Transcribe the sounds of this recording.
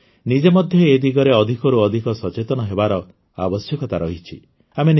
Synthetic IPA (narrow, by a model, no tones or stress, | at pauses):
nid͡ʒemɔd̪ʱjɔed̪iɡɔɾeɔd̪ʱikɔɾuɔd̪ʱikɔsɔt͡ʃet̪ɔñɔɦebaɾɔ | a̰bɔsjɔkɔt̪aɾɔɦit͡ʃʰi | amen